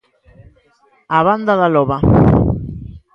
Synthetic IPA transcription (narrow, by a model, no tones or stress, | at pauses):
aβand̪aðaloβa